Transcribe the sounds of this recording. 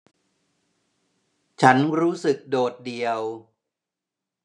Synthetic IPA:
t͡ɕʰa˦˥nɾuː˦˥sɯ˨˩k̚doː˨˩t̪̚di˨˩əw

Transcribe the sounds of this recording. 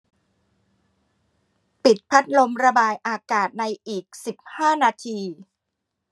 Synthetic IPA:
pi˨˩t̪̚pʰa˦˥t̪̚lo˧mɾa˧baː˧jʔaː˧kaː˨˩t̪̚na˧jʔiː˨˩k̚si˨˩p̚haː˥˩naː˧t̪ʰiː˧

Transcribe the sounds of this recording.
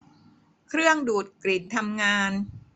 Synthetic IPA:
kʰɾɯ˥˩əŋduː˨˩t̪̚kɾi˨˩t̪ʰːa˧mŋaː˧n

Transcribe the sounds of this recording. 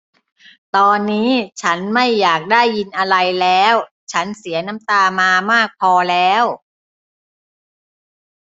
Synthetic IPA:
t̪ɔː˧nːiː˦˥t͡ɕʰa˦˥nma˥˩jːaː˨˩k̚daː˥˩jːi˧nʔa˧ɾa˧jlɛː˦˥w | t͡ɕʰa˦˥nsi˩˦ɐna˦˥mt̪aː˧maː˧maː˥˩k̚pʰɔː˧lɛː˦˥w

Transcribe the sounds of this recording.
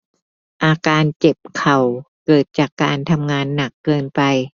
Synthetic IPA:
ʔaː˧kaː˧nt͡ɕe˨˩p̚kʰa˨˩w | kɤː˨˩t̪̚t͡ɕaː˨˩kːaː˧nt̪ʰa˧mŋaː˧nːa˨˩kːɤː˧npa˨˧j

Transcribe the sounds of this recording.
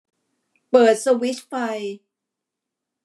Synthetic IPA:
pɤː˨˩t̪̚sa˧wi˦˥t̪̚fa˧j

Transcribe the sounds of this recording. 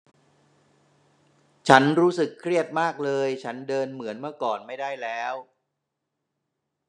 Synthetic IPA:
t͡ɕʰa˦˥nɾuː˦˥sɯ˨˩kʰːɾi˥˩ət̪̚maː˥˩k̚lɤː˧jt͡ɕʰa˦˥ndɤː˧nmɯ˩˦ənma˥˩kɔː˨˩nma˥˩jdaː˥˩jlɛː˦˥w

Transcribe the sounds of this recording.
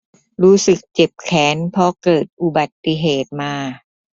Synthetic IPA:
ɾuː˦˥sɯ˨˩k̚t͡ɕe˨˩p̚kʰɛː˩˦npʰɔ˧kɤː˨˩t̪̚ʔu˨˩ba˨˩t̪ːi˧ɦeː˨˩t̪̚maː˧

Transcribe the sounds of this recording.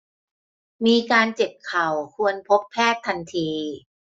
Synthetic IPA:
miː˧kaː˧nt͡ɕe˨˩p̚kʰa˨˩wkʰu˧ənpʰo˦˥pʰːɛː˥˩t̪ʰːa˧nt̪ʰiː˧

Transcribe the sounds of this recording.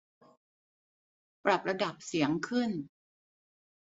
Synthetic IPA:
pɾa˨˩p̚ɾa˧da˨˩p̚si˩˦əŋkʰɯ˥˩n

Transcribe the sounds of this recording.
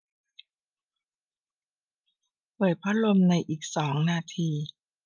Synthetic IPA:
pʰɤː˨˩t̚pʰa˦˥lo˧mna˧jʔiː˨˩k̚sɔː˩˦ŋnaː˧t̪ʰiː˧

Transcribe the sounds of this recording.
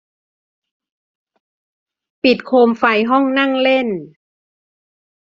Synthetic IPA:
pi˨˩t̪̚kʰoː˧mfa˧jɦɔ˥˩ŋna˥˩ŋle˥˩˨n

